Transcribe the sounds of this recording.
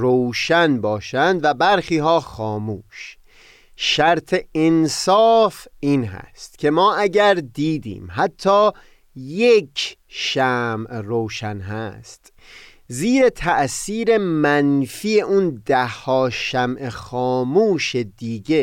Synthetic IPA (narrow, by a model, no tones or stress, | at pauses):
ɾowʃænbɒːʃænd̪væbæɾxiːɦɒːxɒːmuːʃ | ʃæɾt̪ʰe̞ensɒːfiːnɦæ̰st̪cʲʰe̞mɒːʔæɟæɾd̪iːd̪ḭːmɦæt̪ʰːɒː | jekʰʃæmroːʃænɦæ̰st̪ | ziːɾet̪ʰæʔsiːɾemænfiːeʔund̪æhːɒːʃæmʔexɒːmuːʃed̪iːɡe